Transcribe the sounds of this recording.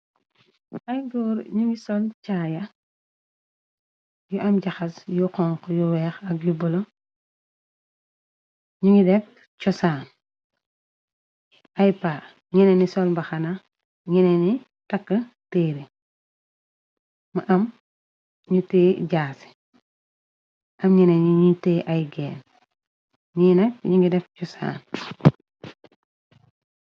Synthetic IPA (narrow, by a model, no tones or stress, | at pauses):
ʔɐjɡɔːɾɲuŋisɔlt͡ʃajɐ | juʔɐmɟaxɐsjuqɔŋkɔjuwɛːxɐk̚jubulo | ɲuŋidɛk̚ | t͡ʃɔsaːn | ajpaː | ŋinɛnisɔlbɐxɐna | ɲineni | takːəteɾi | maʔam | ɲuteɟaːse̥ | ʔɐmɲineɲiɲuteːʔajɡḛːn | ɲiːnakɲiŋɡideft͡ʃɔsa̰ːn